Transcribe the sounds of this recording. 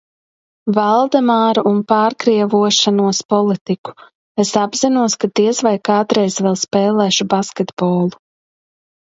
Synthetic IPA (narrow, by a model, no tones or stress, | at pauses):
valˠd̪ɛmaːɾuʔunpaːɾkɾiɛvuɔʃanuɔspɔlˠit̪iku̥ | esabz̥inuɔskat̪iɛsvajkaːd̪ɾɛjzvɛlˠspɛːlˠɛːʃubaskʲet̪bɔːlˠu̥